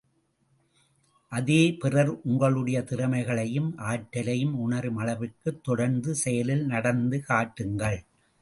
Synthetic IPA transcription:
ʔɐðeːpɪrɐɾʔʊŋɡɐɭɯɽɐjɐt̪ɪɾɐmɐɪɣɐɭɐjɯmʔaːʈːɐlɐjɯmʊɳɐɾɯmɐlɐʋɯkːɯt̪ːɔɽɐɾnd̪ɯsɛjɐlɪlnɐɽɐnd̪ɯkaːʈːɯŋɡɐɭ

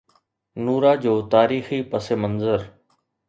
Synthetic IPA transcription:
nuːɾaːd͡ʑoːt̪aːɾiːxipəsemənzəɾ

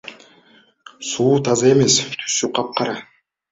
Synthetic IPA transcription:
suːt̪ʰɑzɑe̞me̞st̪ʰy̥sːyqʰɑp̚qʰɑɾɑ

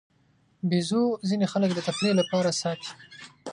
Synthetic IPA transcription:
bizuzinexaləkd̪ət̪apɽelapɑɾasɑt̪i̥

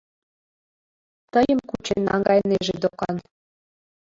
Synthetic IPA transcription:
t̪əjəmkut͡ɕenːɑ̰ŋɡɑjneʒed̪okɑn

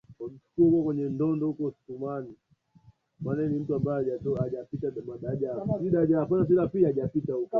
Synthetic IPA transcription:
ait͡ʃu̥kuhukɔkwɛɲɛndɔndɔukɔsi̥tumani | mananim̩tuambajɛaɔaʄapitaɗamaɗaʄasiɗaʄakanas̬ilapiaʄapitaukɔ

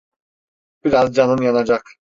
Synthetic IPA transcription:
b̥iɾazd͡ʒanɯnjanad͡ʒak

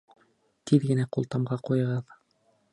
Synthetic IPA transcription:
t̪ʰiðɡɘ̆næqṵlˠt̪ɑmʁɑqujɤ̆ʁɤð

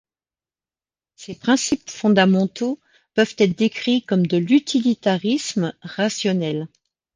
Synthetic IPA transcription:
sepχɛ̃sipfɔ̃d̪amɑ̃t̪o | pœvt̪ɛt̪χd̪ekχikɔmd̪əlyt̪ʰilit̪aʁismʁasjɔnɛl

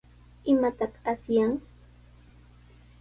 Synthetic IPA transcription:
ɪmat̪ɑqasjaŋ

